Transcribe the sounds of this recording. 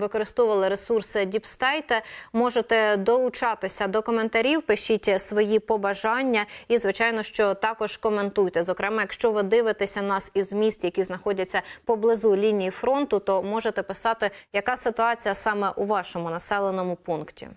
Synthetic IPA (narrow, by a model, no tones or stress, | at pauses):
ʋɪkɔɾɪst̪ɔʋɐlˠɪɾesursɪdʲipst̪ɛjt̪ɛmɔʒet̪ɛd̪ɔlˠʊt͡ʃɑt̪ɪsʲɐd̪ɔkɔme̞nt̪ɐɾʲiwpɪʃitʲsʋɔjipɔbɐʒɑnʲːɐizʋɪt͡ʃɑjnɔʃt͡ʃɔt̪ɑkɔʒ̥kɔment̪ujt̪ɛzɔkɾɛmɛjɐkʃt͡ʃɔʋɪd̪ɪʋɪt̪esʲɐnɑsizmʲist̪jɐkʲiznɐxɔdʲɐt͡sʲːɐpɔblˠɪzulʲinʲijifɾɔnt̪ʊt̪ɔmɔʒet̪ɛpɪsɑt̪ɪjɐkɑsɪt̪ʊɑt͡sʲijɐsɑmɛʔuʋɑʃɔmʊnɐsɛlˠenɔmʊpunktʲḭ